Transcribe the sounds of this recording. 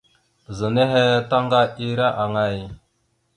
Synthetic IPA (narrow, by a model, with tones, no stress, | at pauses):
zə˨ne˦ɦe˦ta˦ŋɡa˦i˦ɾa˦ʔa˨ŋa˦˨j